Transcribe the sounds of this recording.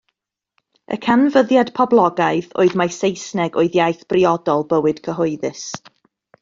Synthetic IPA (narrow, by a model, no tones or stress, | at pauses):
ʔə̰kʰanvəðjad̥pʰɔblˠɔɡaɨθo̰ːɨðmasejsnɛɡoɨðjajθb̥riɔdɔlˠbəwɨd̥kʰəɦʊɨðɨs